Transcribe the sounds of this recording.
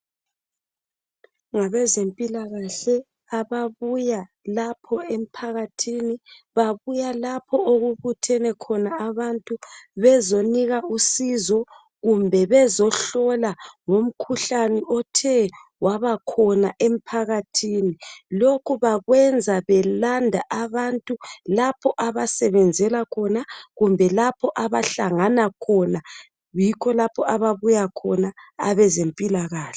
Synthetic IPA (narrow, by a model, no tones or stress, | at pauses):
ŋaβɛzempʼilaɣaɬɛ | aβaβujalapʰɔem̩pʰaɣatʰiniβaβujalapʰɔoɣuβutʰɛnɛkʰɔnaaβantʼuβɛzoniɣausizɔ | ɣumbʱɛβɛzɔɬɔlaŋom̩kʰuɬaniʔɔtʰɛwaβakʰɔnaʔem̩pʰaɣatʰiːnilokʰuβaɣwɛnd͡zʱaβɛlandʱaʔaβantʼulapʰɔʔaβasɛβɛnd͡zʱɛlakʰɔnaɣumbʱɛlapʰɔʔaβaɬaŋanakʰɔna | jikʰɔlapʰɔʔaβaβujakʰɔnaa̰βɛzempʼilaɣaːɬɛ